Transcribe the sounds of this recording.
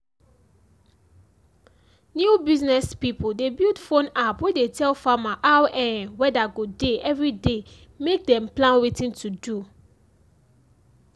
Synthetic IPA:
njubiznɛspipdebildfõnapwedetʰɛlfamaʔawɛ̃nwɛdaɡodeɛvɹide | mek̚dɛ̃mplãnwetĩntʰudu

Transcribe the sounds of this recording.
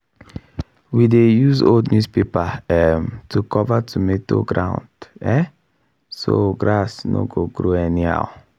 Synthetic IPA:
widejuzo̰ldnjuspepaɛmtʰukʰɔvatʰumeto̰ɡɾãʊ̃ndɛ | soɡɾasno̰ɡoɡɾoɛnia̰ʊ

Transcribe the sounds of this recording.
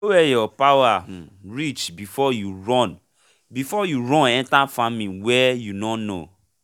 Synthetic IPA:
owɛjɔpawaɹit͡ʃbifɔjuɹɔ̃n | bifɔjuɹɔ̃nɛ̃ntãnfamĩnwɛjunɔno̰

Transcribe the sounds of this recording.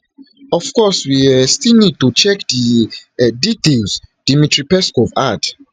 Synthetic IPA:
ɔfkɔswiastilnid̚tut͡ʃɛkdi | ditelzd̥imitɹipɛskɔvat

